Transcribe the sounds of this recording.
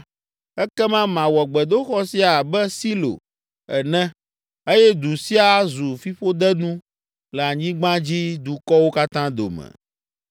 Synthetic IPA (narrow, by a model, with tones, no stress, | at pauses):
ɛ˦kɛ˦mã˦mã˨wɔ˨ɡ͡bɛ˨d̪o˦xɔ˦si˦a˨bɛ˦si˦lo̰˨ | ɛ˨nɛ̃˦ | e˦jɛ˦d̪u˨si˦a˨zu˨fi˦ɸo˦d̪ɛ˦nũ˦ | lɛ˨a˨ɲĩ˦ɡ͡bã˦d͡ʑi˦d̪u˨kɔ˦wo˦ka˦t̪ã˦d̪o̰˨mɛ̰̃˨